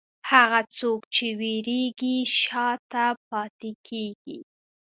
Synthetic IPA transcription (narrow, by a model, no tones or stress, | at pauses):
haɣat͡sokt͡ʃeweɾeɡiʃɑt̪ap̚ɑt̪ekʰeɡḭ